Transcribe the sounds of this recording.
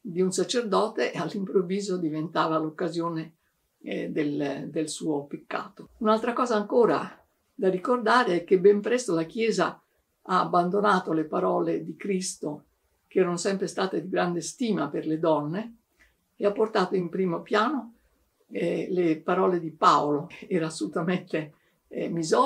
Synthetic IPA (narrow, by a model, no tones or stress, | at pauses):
d̪iunsat͡ʃerd̪ɔːt̪eʔalːimpɾovːiːzod̪ivent̪aːvalokːazjoːne | d̪eld̪elsuːopekːa̰ːt̪ounalt̪ɾakɔːzaːŋkoːɾa̰ | d̪arikord̪aːɾeɛkːebːɛmpɾɛst̪olak̟jɛːza̰ | aːbːand̪onaːt̪olepaɾɔːled̪ikɾist̪o | k̟eɛːɾonosɛmpɾest̪aːt̪ed̪iɡɾand̪est̪iːmaperled̪ɔnːe | eapːort̪aːt̪oimpɾiːmopjaːno | ɛlepaɾɔːled̪ipaoloɛːɾaːsːolut̪ament̪e | mizɔ